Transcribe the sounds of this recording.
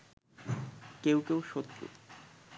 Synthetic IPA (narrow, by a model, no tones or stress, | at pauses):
kewkewʃot̪ːɾṵ